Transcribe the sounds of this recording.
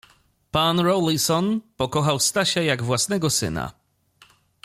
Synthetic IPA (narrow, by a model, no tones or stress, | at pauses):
panɾɔlisɔnpɔkɔxawst̪aɕajaɡvwasnɛɡɔsɘ̰na̰